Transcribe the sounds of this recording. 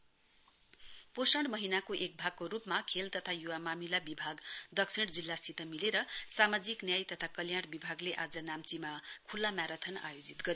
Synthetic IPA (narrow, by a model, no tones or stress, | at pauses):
posʌɳɖmʌɦinakoʔek̚bʱaɡ̚korupmakʰelt̪ʌt̪ʰajuwamamilabibʱaɡd̪ʌksʰiɽd͡zilːasit̪ʌmileɾʌsamad͡ziknjajt̪ʌt̪ʰakʌljaɽbibʱaɡleʔad͡zʌnamt͡simakʰulːamjaɾʌt̪ʰʌna̰jod͡zit̪ɡʌɾi